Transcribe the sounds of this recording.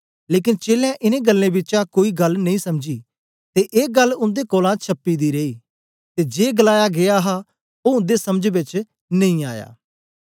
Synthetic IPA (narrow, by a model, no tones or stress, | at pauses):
leːk̬ɪnt͡ʃeːljãʔɪnẽɡəlːẽbɪt͡ʃãkoːiɡɐlnɐĩːsɐmd͡ʒi | t̪eʔeːɡɐlːʊ̃nd̪ekɔːlãt͡ʃʰɐpːid̪iɾeːiː | t̪ed͡ʒeːɡəlaːjaɡeaɦa | oːʊ̃nd̪esɐməd͡ʒbɪt͡ʃ | nɐ̃ĩa̰ːja̰ː